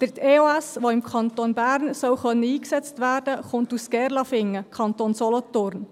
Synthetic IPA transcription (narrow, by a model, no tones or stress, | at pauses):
d̪̥əɾteːoæsʋoːɪmkʰɑnt̪oːnbæːɾnsɔlχœnːəiːksɛt͡stʋæːɾd̥əχʊntuskɛɾlɑfɪŋːəkʰɑntonsɔlɔt̪ʊɾn